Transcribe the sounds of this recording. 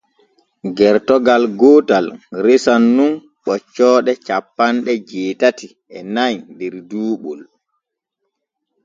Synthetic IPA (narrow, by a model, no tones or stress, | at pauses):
ɡɛɾtɔɡalɡoːtalɾesanːun | ɓɔt͡ʃːɔːɗɛt͡ʃapːanɗɛd͡ʒɛːtati | ɛnajdɛɾduːɓɔl